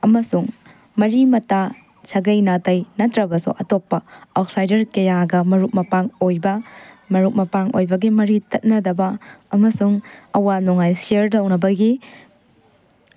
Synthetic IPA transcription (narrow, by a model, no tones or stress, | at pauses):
ɐmɐsuŋ | mɐɾimɐtːa | sʰɐɡɐjnatɐjnɐtːɾɐbɐsṵʔɐtopːɐawt̚sajdɐɾkɐjaɡɐmɐɾuk̚mɐpaŋojbɐ | mɐɾuk̚mɐpaŋʔo̰jbɐɡimɐɾitɐt̚nɐdɐbɐɐmɐsuŋɐwanuŋajsiɐɾdɐwnɐbɐɡi